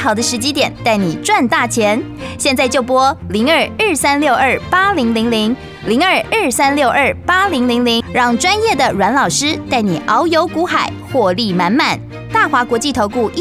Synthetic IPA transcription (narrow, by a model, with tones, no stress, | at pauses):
xɑ˨˩ʊd̪ə˦ʂɻ̩˧˥t͡ɕi˥t̪jɛ˨˩˦nt̪a˥˩ɪni˨˩ʈ͡ʂwa˥˧nt̪a˥˩t͡ɕʰjɛ˧˥n | ɕjɛ˥˧nt͡sa˥˧ɪt͡ɕjo˥˩ʊpwɔ˥li˧˥ŋə˞˨˩ə˞˥˩sa˥nljo˥˧ʊə˞˥˩pa˥li˧˥ŋli˧˥ŋli˧˥ŋ | li˧˥ŋə˞˨˩ə˞˥˩sa˥nljo˥˧ʊʔə˞˥˩pa˥li˧˥ŋli˧˥ŋli˧˥ŋɻɑ˥˩ŋʈ͡ʂwa˥njɛ˥˩d̪ə˩ɻwa˧˥nlɑ˨˩ʊʂɻ̩˥t̪a˥˩ɪni˨˩ʔɑ˧˥ʊjo˧˥ʊku˧˥xa˨˩˦ɪxwɔ˥˧li˥˩ma˧˥nma˨˩n | t̪a˥˩xwa˧˥kwɔ˧˥t͡ɕi˥˩t̪ʰo˧˥ʊku˥˩˥